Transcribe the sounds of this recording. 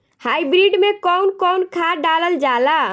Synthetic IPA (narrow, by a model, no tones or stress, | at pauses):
hajbɾiɖmekɔwnkɔwnkʰaɖaləld͡ʒala